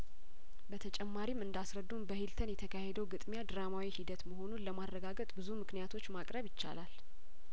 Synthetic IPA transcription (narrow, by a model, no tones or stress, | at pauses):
bət̪ʰət͡ʃʼɛmːaɾimɨnd̪asɾəd̪ːunbəhilt̪ʰənjɛt̪ʰəkʰahed̪əwɡɨt̪ʼmjad̪ɨɾamawihid̪ət̪məho̞nunləmaɾːəɡaɡət̪ʼbɨzumɨknijat̪ʰo̞t͡ʃːmakʼɾəβjɪt͡ʃːa̰lal